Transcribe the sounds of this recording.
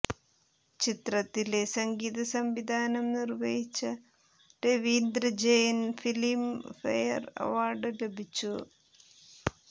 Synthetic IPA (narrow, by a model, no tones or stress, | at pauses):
t͡ɕit̪rɐt̪ːilesɐŋɡiːðɐsɐmʋid̪ʱaːnɐmnirʋejit͡ɕːɐ | ɖeʋiːnd̪ɾɐd͡ʑejɐnfilimfɐ̰jɐ̰rɐ̰ʋaːrɖɨle̞bʱit͡ɕːu